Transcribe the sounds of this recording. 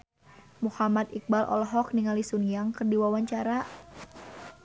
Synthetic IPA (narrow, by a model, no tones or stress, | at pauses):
muhamat̪ik̚balʔɔ̰lɔɦɔk̚niŋalisunjaŋkərdiwawaɲt͡ʃaɾa